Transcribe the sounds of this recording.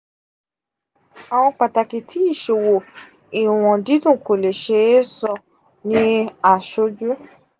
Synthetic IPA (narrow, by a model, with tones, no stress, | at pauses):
a˨w̃ɔ̃˧k͡pa˨ta˨ki˨tʰi˨˦i˦˨ʃo˨wo˨ | i˨w̃ɔ̃˨di˨˦dũ˦˨ko˨le˨ʃe˧˦e˦sɔ˦˧ | nĩ˧a˨ʃo˧˦d͡ʒu˦